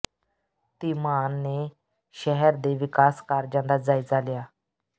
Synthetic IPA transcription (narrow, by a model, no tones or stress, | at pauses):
t̪imanːe | ɕɛɦɛɾd̪eʋikaskaɾd͡ʑãnd̪ad͡zajd͡zalja